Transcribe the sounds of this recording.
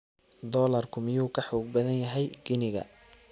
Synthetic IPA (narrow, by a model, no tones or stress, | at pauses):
d̪ɔːlɐrkʰʊmɪjuːkʰɐħɔːɡ̚bɐðɐnjɐɦɛjɡɪnɪɣɐ̰